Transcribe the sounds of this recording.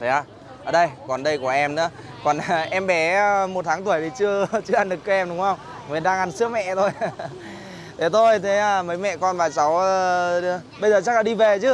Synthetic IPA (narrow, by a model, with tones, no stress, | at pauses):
t̪ʰe˨˦aː˧˩ | ʔəː˧˩ɗə˧jkɔ˨˩nɗə˧jku˧˩əʔɛ˧mnɨ̰˧˥ə | kɔ˨˩nʔɛ˧mɓɛ˨˦mo˨˩t̚t̪ʰaː˨˦ŋt̪u˧˩əjt̪ʰi˨˩t͡ɕɨ˧ət͡ɕɨ˧ʔa˧nɗɨ˨˩k̚t͡ɕəː˨˧˦ʔɛ˧mɗʊ˨˦ŋ͡mhə˧wŋ͡m | mɨ˨˦nɗaː˧ŋʔa˧nsɨ˦˥ək̚mɛ̰˧˨t̪ʰo˧j | t̪ʰe˨˦t̪ʰo˧jt̪ʰe˨˦aː˧˩mə˨˦jmɛ̰˧˨kɔ˧nvaː˨˩t͡ɕa˨˦w | ɓə˧jzəː˨˩t͡ɕa˦˥k̚laː˧˨ɗi˧ve˨˩t͡ɕɨ˨˦